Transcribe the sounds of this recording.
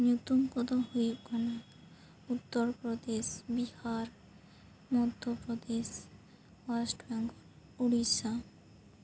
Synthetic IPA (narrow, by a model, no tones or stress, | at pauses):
njut̪umkɔd̪oɦoekʰɔna | ut̪ːoɾpɾod̪eʃbihaɾ | mɔd̪ʱːopɾod̪eʃ | wasʈbaŋɡ | uɽiʃa